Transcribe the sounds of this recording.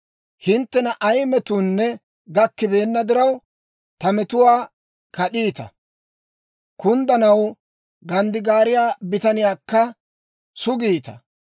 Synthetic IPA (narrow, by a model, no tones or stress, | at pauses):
hɪnt̪ːɛnɐʔɐjmɛt̪uːnːɛ | ɡɐkːɪbe̞ːnːɐd̪ɪɾɐw | t̪ɐmɛt̪ʊwaː | kɐɗiːt̪ɐ̰ | kʊnd̪ɐnɐw | ɡɐnd̪ɪɡaːɾɪjaːbɪt̪ɐnɪjaːkːɐ | sʊɡiːt̪ɐ̰